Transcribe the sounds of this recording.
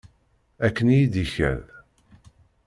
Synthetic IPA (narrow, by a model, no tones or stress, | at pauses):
ækːənijid̪içæ̰l